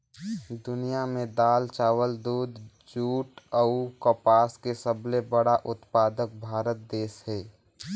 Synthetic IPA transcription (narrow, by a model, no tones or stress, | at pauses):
d̪ʊnijamẽd̪aːlt͡ʃaːwəld̪uːd̪ | d͡ʒuːʈəʊkəpaːskesəblebəɽaʔʊt̪paːd̪ək̚bʱaːɾət̪̚d̪eːsɦeː